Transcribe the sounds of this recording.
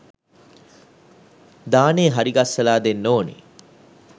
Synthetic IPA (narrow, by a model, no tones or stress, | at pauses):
d̪aːneːɦaɾiɡasːɐlaːd̪enːoːnḛ